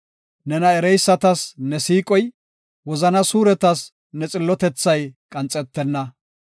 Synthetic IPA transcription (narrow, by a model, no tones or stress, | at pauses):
nɛnɐɛɾɛjsːɐt̪ɐsnɛsiːkʼɔj | wɔzɐnɐsuːɾɛt̪ɐs | nɛt͡sʼɪlːɔt̪ɛt͡sːɐjkʼɐnt͡sʼːɛt̪ːɛnːɐ